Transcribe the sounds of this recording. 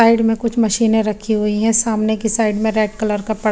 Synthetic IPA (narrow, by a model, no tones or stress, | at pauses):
aːɪɖmẽkʊt͡ʃʰmɐʃiːnẽɾɐkʰːiɦʊiɦɛ̃saːmnekisaːɪɖmẽɾeːʈkɐləɾkapɐɽ